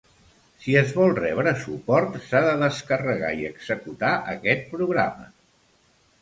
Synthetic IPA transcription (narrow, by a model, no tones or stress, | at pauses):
siəzβɔlˠrɛβɾəsupɔɾt̪saðəðəskərəɣa̰iəɡz̥əkut̪aʔəkɛt̪̚pɾuɣɾa̰mə